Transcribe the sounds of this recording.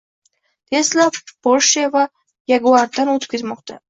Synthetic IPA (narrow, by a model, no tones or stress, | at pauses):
t̪eslab̥olʃava | jaɡuaɾd̪anot̪ʰp̚kʲezmɒqd̪a